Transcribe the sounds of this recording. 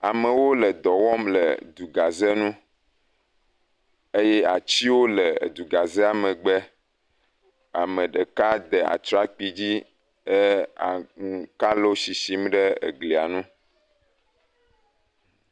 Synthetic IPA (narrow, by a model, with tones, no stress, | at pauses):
a˨mə̃˨wo˦lə˨d̪ɔ˨wɔ˦mlə̰˨d̪u˨ɡa˨ze˦nũ˦ | e˦je˦a˨t͡ɕi˦wo˦lə˨d̪u˨ɡa˨zɛ˦a˨mə̃˨ɡ͡bɛ˦ | a˨mə̃˨ɖə˨ka˦d̪ɛ˨a̰˨t̪ɾa˦k͡pi˨d͡ʑi˦ | ə˦a˨ŋ˨ka˦lo˦si˨si˦m˦ɖə˦ḛ˨ɡli˨a˨nũ˦